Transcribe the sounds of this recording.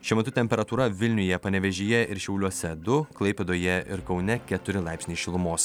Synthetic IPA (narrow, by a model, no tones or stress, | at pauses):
ʃʲɛmʲɐt̪ʊt̪ʲɛmʲpʲɛɾɐt̪uːɾɐʋʲɪlʲnʲʊjɛpɐnʲɛʋʲɛʒʲijɛʔɪɾʃʲɛʊlʲuɔsʲɛd̪ʊklˠɐɪpʲɛd̪oːjɛɪɾkɒʊnʲɛkʲɛt̪ʊɾʲɪlˠɑɪpʲsʲnʲiːʃʲɪlˠʊmoːs